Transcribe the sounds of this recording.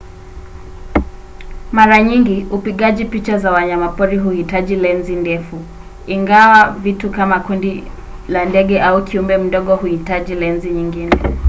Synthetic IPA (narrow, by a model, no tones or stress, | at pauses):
maɾaɲiŋɡiupiɠaʄipit͡ʃazawaɲamapɔɾiɦuhitaʄilɛnzindɛfu | iŋɡawavitukamakundi | landɛɠɛʔaukʰiumbɛm̩ɗɔɠɔhuhitaʄilɛnziɲiŋɡinɛ